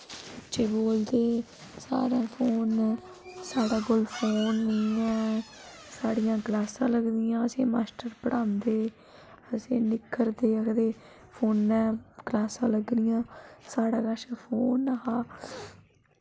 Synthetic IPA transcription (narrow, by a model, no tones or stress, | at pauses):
ɪtːt͡ʃeːboːld̪eː | sa̰ːɾãːpʰoːn | saːɽaːkolpʰoːnːiːɛ̃ːsaːɽijãːɡlaːsãːləɡd̪ɪjãːəsḛ̃ːmaːsʈəɾpəɽãːnd̪eː | əsẽːnɪkʰːəɾd̪eːəkəd̪eː | pʰoːnːɛːɡ̥laːsãːləɡd̪ɪjãːsaːɽãːkaːʃapʰoːnaɦaː